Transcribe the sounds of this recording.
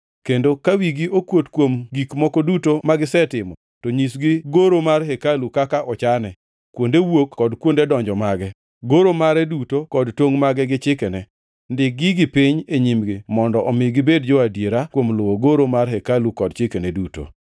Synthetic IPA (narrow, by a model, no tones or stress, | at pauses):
kendokawiɡiokwotkwomɡikmɔkɔdutomaɡɪsɛtɪmɔ | toɲisɡɪɡoɾomarɦɛkalukakaʔɔt͡ʃanɛ | kwondewokkːɔdkwondedɔɲd͡ʒɔmaɡɛ | ɡoɾomaɾɛdutokɔdtoŋmaɡɛɡɪt͡ʃɪkɛnɛ | ndɪk̚ɡɪɡɪpɪɲeɲimɡɪmɔndɔʔɔmɪɡɪbedd͡ʒɔadjeɾakwomlʊwoɡoɾomarɦɛkalukɔd̚t͡ʃɪkenɛduto̰